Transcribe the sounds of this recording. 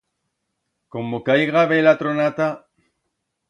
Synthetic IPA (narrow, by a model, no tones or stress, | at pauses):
komokajɣaβelat̪ɾonat̪a